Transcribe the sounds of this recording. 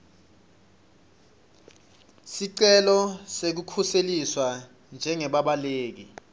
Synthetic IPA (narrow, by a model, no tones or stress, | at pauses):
siǀɛlɔsek̬ukʰuseliswa | nd͡ʒʱɛŋɛɓaɓaleːk̬i